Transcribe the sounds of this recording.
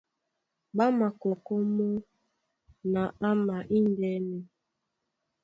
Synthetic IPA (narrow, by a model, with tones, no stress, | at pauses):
ɓa˦ma˨kɔ˨kɔ˦mɔ˦ | na˨a˦ma˨ʔi˦ndɛ˦ni˦